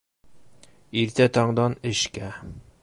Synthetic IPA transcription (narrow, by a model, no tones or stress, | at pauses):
iɾt̪æt̪ɑɴd̪ɑnɘ̆ʃkæ